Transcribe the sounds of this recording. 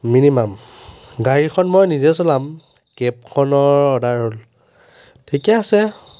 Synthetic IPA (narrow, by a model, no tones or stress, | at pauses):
minimamɡaɹixʰɔnmɔjnizɛsolam | kep̚kʰɔnɔɹɔdaɹɦol | tʰikjaːsɛ